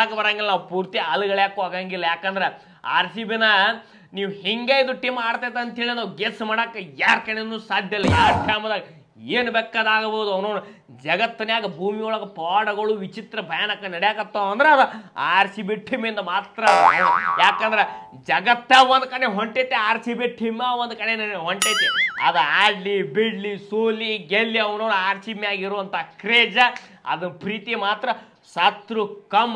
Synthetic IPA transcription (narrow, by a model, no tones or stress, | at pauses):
akɐbɐɾaːŋɡilːɐnaːwpuːɾt̪iɐluɡɐɭjaːkːaːɡaːŋɡilːɐjaːkɐnd̪ɐɾe | a̰ːɾsibinɐ | niːʋuhiŋɡeːjid̪uʈimaːɽt̪aːjt̪ːɐɐnt̪ɦeːɭinɐɡesmaːɽaːkːɐjaːɾkɐnenuːsaːd̪ʱjɐlːɐaʈʰjaːmɐd̪aɡɐ | eːnubɛːkːaːd̪aːɡɐbɐwd̪uɐwnoːnɐ | d͡ʒɐɡɐt̪ːɐnjaːɡɐbʱuːmijɔɭɐɡɐpaːɽɐɡɐɭuʋit͡ʃit̪ɾɐbʱɐjaːnɐkːɐnɐɽɛjaːkɐt̪ːoːɐnd̪ɐɾeɐd̪ɐaːɾsibeʈʰːimend̪ɐmaːt̪ɾɐɐjaːkɐnd̪ɾe | d͡ʒɐɡɐt̪ːaʋɐnd̪ukɐneɦoɳʈet̪ːeaːɾsibeʈʰːimaʋond̪ukɐneɦoɳʈet̪ːeɐ̰d̪ɐaːɖlibiɖlisoːliɡelːiɐʋɐnoːnuaːɾsimejaːɡiɾuʋɐnt̪ʰakɾeːd͡ʒɐɐ̰d̪ɐpɾiːt̪ijmaːt̪ɾɐ | sɐt̪ɾukɐm